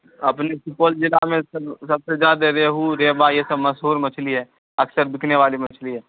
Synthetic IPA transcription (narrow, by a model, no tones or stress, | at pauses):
ɐpnesʊkoːld͡ʒɪlamẽsɐbsɐbsezjaːd̪aɾeːɦuɾeːbajesɐbmɐsɦuːɾmɐt͡ʃʰliɦɛː | ɐksəɾd̪ɪkʰneʋaːlimɐt͡ʃʰliɦɛː